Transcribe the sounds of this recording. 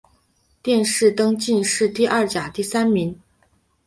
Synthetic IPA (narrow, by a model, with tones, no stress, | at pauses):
t̪jɛ˥˧nʂɻ̩˥˩t̪ɤ˥ŋt͡ɕi˥˧nʂɻ̩˥˧t̪i˥˧ʔɐ˥˩t͡ɕja˨˩t̪i˥˩sa˥nmi˧˥ŋ